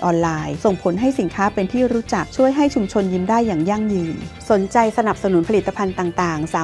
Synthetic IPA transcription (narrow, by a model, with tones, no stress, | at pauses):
ʔɔː˧nlaː˧jso˨˩ŋpʰo˩˦nɦa˥˩jsi˩˦nkʰaː˦˥pe˧nt̪ʰiː˥˩ɾuː˦˥t͡ɕa˨˩k̚t͡ɕʰu˥˩əjɦa˥˩jt͡ɕʰu˧mt͡ɕʰo˧njiː˧ndaː˥˩jːaː˨˩ŋja˥˩ŋjɯː˧nso˨˩˦nt͡ɕa˧jsa˧na˨˩p̚sa˧nu˩˦npʰli˨˩t̪ːa˧pʰa˧nt̪aː˨˩ŋt̪aː˨˩ŋsaː˨˦